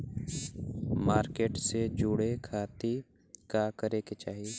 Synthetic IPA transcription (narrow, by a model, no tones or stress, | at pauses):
maːɾkeːʈsed͡ʒʊɽekʰaːt̪i | kakəɾeket͡ʃaːɦi